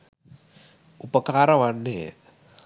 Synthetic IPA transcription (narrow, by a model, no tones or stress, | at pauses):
upəkaɾawanːe